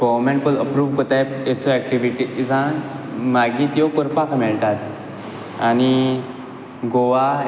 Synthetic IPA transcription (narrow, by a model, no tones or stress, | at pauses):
ɡɔʋɾmẽɳʈ̚pələpɾuːʋkət̪ajpesoɛk̚ʈiʋiʈid͡zã | maɡĩːt̪jɔkəɾpakʰmɛɭt̪at̪̚ | ani | ɡoʋa